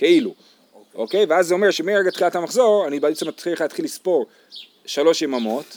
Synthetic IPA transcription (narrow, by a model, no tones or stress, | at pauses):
ke̞ilu | ʔoke̞jveazːeo̞meʃemeʁeɡat̪χilathamaχzo̞ʁanibat͡semat̪χileχalat̪χilispo̞ʁ | ʃalo̞ʃjemamo̞t